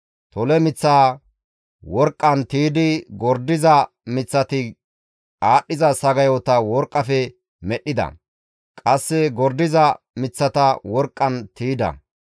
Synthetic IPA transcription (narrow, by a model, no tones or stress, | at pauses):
t̪ɔlɛmɪt͡sːaː | wɔɾkʼːɐnt̪iːd̪ɪɡɔɾd̪ɪzɐ | mɪt͡sːɐt̪ɪ | kʼaːɗːɪzɐsɐɡɐjɔt̪ɐwɔɾkʼːɐfɛ | mɛɗːɪd̪ɐ̰ | kʼɐsːɛɡɔɾd̪ɪzɐ | mɪt͡sːɐt̪ɐwɔɾkʼːɐnt̪iːd̪ɐ̰